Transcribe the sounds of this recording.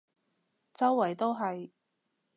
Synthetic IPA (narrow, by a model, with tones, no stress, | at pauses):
t͡sɐ˥wːɐ˨˩jt̪o˥wɦɐ˨j